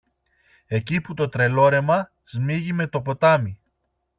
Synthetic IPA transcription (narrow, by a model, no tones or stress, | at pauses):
e̞ciput̪o̞t̪ɾe̞lo̞ɾe̞mɐ | zmiʝime̞t̪o̞po̞t̪ɐmi